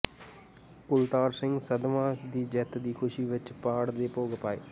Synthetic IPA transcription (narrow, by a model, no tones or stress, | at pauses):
kʊlt̪aːɾsɪŋɡsəd̪mãːd̪iːd͡ʒɛt̪d̪iːkʰʊʃiːʋɪt͡ʃpaːɽd̪eːpoːɡəpaːḛː